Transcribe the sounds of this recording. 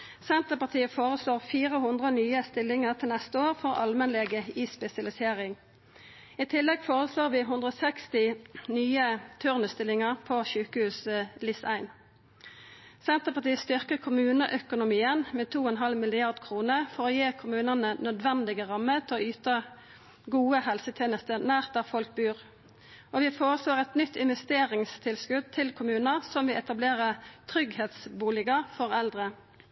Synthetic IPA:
sɛnt̪əpɑt̪ʰiːəfoːʁəsloːʁfiːʁəhʊnd̪ʁənyːəst̪ɪlːɪŋəʁt̪ʰɪlnɛst̪əoːʁfɔʁɑ̰lmənleɡəispɛsɪɑlɪseːʁɪŋ | iːt̪ʰɪlːɛɡfoːʁəsloːʁʋiːɦʉnd̪ʁəɔsɛkst̪ɪnyːət̪ʰʉʁnəst̪ɪlɪŋəʁpʰɔʃʉːkəhʉːslɪsæɪn | sɛnt̪əpɑt̪iːəst̪ʏʁkəkʰʊmʉːnəʔœkʊnʊmiːənmeːt̪ʰuːɛnɦɑlmɪlɪɑʁd̪kʰʁuːnəʁfɔʁoːjeːkʰʊmʉːnənənœd̪ʋɛnd̪ɪɡəʁɑmːət̪ʰɪlɔyːt̪ɑ | ɡuːəhɛlsət̪ʰeːnəst̪ənæːʁt̪̚d̪ɑfɔlk̚bʉːʁ | ʔoːʋɪfoːʁəsloːʁɛt̪nʏt̪ʰːɪnʋɛst̪eːʁɪŋst̪ʰɪlskʉd̪̚t̪ʰɪlkʰʊmʉːnəsɔmʋɪʔɛt̪ɑbleːʁət̪ʰʁʏɡheːt̪sbuːlɪɡɑfɔʁɛld̪ʁə

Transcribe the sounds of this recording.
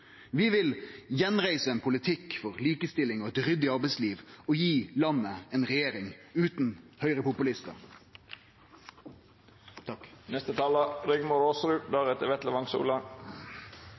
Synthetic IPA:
ʋɪʋɪljɛnʁæɪsəɛnpʰʊlɪt̪ʰɪkːfɔʁliːkəst̪ɪlɪŋɔɛt̪ʁʏd̪ɪɑʁbɛɪsliːʋɔjiːlɑnːəɛnʁɛjeːɾɪŋʉːt̪n̩hœʏʁəpʊpʉlɪst̪ə̰ʁ | t̪ʰɑknɛst̪ət̪ʰɑːlɑɾʏɡmoɾoːsɾʉːd̪ɑːʁɛt̪əʋɛt̪ləʋɑŋsṵːlɑ

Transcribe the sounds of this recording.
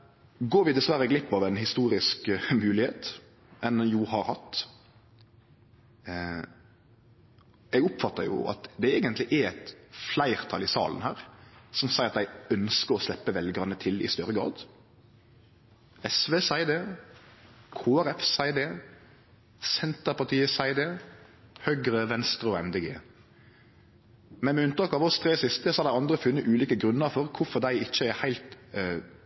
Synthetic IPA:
ɡoːɾʋɪd̪ɛsʋæɾəɛɡlɪpːɑʋɛnhɪst̪uːɾɪskmʉːlɪheːt̪ | ɛnjuhɑɾhɑt̪ː | ɛɡʊpfɑt̪ːəɾjʊ̰ɑ̰t̪d̪ɛeːɡənt̪lɪʔɛɛt̪flæɪɾt̪ʰɑlɪsɑ̰ːlən̩hæːɾsɔmsæɪɾɑt̪d̪æɪœnskəɾɔslɛpːəʋɛlɡʁɑnət̪ʰɪlɪ̰st̪œɾəɡɾɑ̰ːd̪ | ɛsʋeːsæɪd̪eː | kʰoːæɾɛfsæɪd̪eː | sɛnt̪əpɑt̪ʰiːəsæɪd̪eːhœɡɾəʋɛnst̪ʁəɔɛmd̪eːɡḛː | mɛnmɛʉnt̪ɑkɑʋɔst̪ʰʁeːsɪst̪əsɔhɑd̪æɪɑnd̪ʁəfʉnːəʔʉːliːkəɡʁʉnːəɾfɔʁkʰʊfɔʁd̪æɪɪt͡ʃːəɛhæɪlt̪

